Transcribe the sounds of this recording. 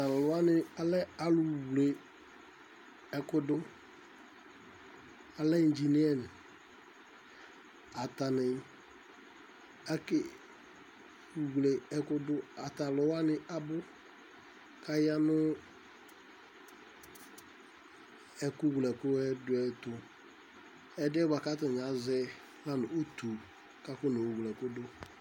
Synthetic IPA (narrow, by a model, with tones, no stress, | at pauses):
a˨lʊ˦a˦nɪ˨a˨lɛ˦a˨lʊ˨wle˨ | ɛ˨kʊ˦dʊ˦ | a˨lɛ˦n̩˦d͡ʒi˨nɪ˦ɛ˦nɪ˨ | a˨ta˨nɪ˨ | a˦kɪ˦ | u˨wle˨ɛ˨kʊ˦dʊ˦a˨ta˨lʊ˨wa˦nɪ˦a˨bʊ˦ | ka˨ja˦nʊ˦ | ɛ˨kʊ˦ɡlɛ˨kʊ˦ɛ˦dʊ˦ɛ˨tʊ˨ | ɛ˨dɪ˦ɛ˦ba˨ka˦tɪ˨ɲ˨a˨zɛ˦ | la˦nʊ˨o˦t̪u˨ | ka˦kʊ˦no˨u˨ɡlɛ˨kʊ˦dʊ˦